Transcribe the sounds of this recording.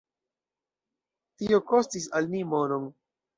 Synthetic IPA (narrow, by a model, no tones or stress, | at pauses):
tioko̞stisalmimo̞noŋ